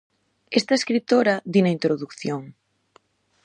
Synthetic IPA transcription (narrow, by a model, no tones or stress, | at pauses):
est̪ɐeskɾit̪oɾɐðinɐint̪ɾoðukθjoŋ